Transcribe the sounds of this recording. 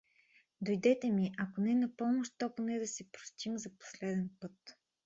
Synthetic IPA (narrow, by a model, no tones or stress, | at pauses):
d̪ojd̪ɛt̪ɛmiʔɐkonɛnɐpɔmoʃt̪ːɔponɛd̪ɐsɛpɾo̥st̪imzɐpo̥slɛd̪ɛnpɤt̪